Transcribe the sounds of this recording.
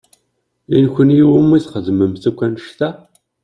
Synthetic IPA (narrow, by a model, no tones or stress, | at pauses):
inçʷənjiwəmiθχəðməmθækʷːænəʃt̪æ